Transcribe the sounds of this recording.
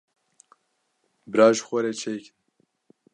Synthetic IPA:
bɨɾaːʒxʷɛɾeːt͡ʃʰeːjkɨn

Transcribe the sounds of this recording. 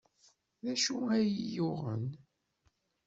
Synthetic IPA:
ðæʃuæjəjʊʁə̰n

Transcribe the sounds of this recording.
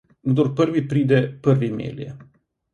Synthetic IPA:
ɡd̪oɾpəɾʋipɾiːd̪ɛpəɾʋimḛːljɛ̰

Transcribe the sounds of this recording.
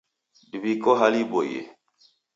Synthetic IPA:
dibikɔɦalibojḛ

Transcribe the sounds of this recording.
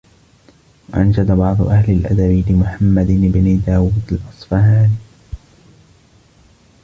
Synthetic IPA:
waʔand͡ʒad̪abɑʕd̪ˤʊ̰ʔahlɪlʔa̰d̪abɪlɪmʊħamːad̪ɪbnid̪aːwuːd̪alʔɑsˤfɑhaːni

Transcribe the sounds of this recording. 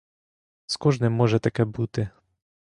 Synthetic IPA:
skɔʐnɘmːɔʐɛt̪akɛbut̪ɘ

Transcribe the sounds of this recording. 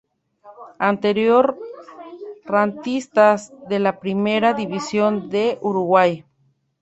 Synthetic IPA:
ant̪eɾjoɾ | rant̪ist̪asðelapɾimeɾaðiβisjond̪eʔuɾuɣwaj

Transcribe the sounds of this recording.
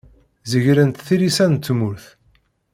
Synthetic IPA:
zəʝɾənt̪θiɾisænt͡s̪ːmuɾθ

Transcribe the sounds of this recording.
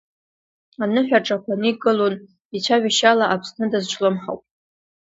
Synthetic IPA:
anɨħᶣaʈ͡ʂʼakʷʰanɨɡɨlon | it͡ɕʷʰaɥiʃalaʔapʰsnɨdazt͡ʃʷʰʼlɨmħa̰wpʼ

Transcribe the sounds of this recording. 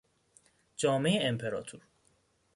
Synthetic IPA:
d͡ʒɒːme̞jeempʰeɾɒ̰ːt̪ʰuɾ

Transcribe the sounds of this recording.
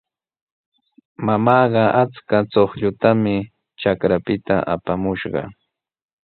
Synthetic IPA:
mamɑːɢɑʔat͡skat͡soχʎʊt̪amɪ | t͡ʃakɾapɪt̪a̰ʔa̰pamʊʃɢɑ̰

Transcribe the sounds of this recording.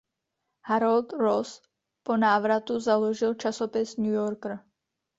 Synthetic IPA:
haɾolt̪ɾos | ponaːvɾat̪uzaloʒɪlt͡ʃasopɪsnujoɾkɾ̩

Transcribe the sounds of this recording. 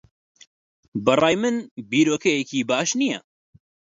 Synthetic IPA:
bɐrˤɑːjmɨnbiːɾoːkʰɛjekiːbaːʃnijɛ

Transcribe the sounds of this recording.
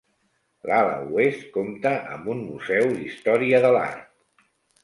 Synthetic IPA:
lalə̰uest̪̚komt̪əʔə̰mbunmuzɛwðist̪ɔɾiəðəla̰ɾt̪

